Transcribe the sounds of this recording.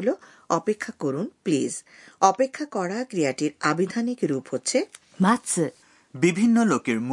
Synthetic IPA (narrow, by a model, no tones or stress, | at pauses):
lo | ɔpekʰːakoɾunpliz | ɔpekʰːakɔɾakɾijaʈiɾabid̪ʱanikɾuphotːɕʰe | mat͡ɕ | bibʱinːɔlokeɹm